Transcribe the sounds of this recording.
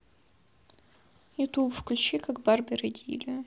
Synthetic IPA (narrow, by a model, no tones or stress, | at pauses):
jɪt̪ubfklʲʉt͡ɕikaɡbarbʲɪɾɨdʲḭlʲɪ